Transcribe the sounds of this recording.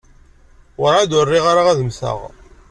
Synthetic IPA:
əɾad̪ʊrːiʁaɾaʁæðəmsə̰ʁ

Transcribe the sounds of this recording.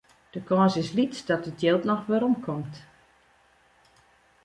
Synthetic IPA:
d̥əkɔːsɪslitdɔtətjelˠtnɔxʋɪɾɔmkʰɔmt

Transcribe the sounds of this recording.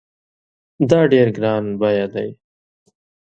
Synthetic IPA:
d̪ɑːɖeɾɡɾɑːnbajad̪aj

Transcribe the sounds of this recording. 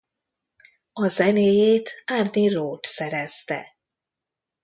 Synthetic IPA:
ɒzɛneːjeːt̪aːrd̪iroːt̪sɛɾɛst̪ɛ̰

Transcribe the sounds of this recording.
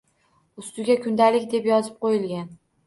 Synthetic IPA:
ʊst̪ʊɡʲakʰʊnd̪alɪkʲd̪e̞pjɒzɪ̥p̚qʰojɪlɡʲan

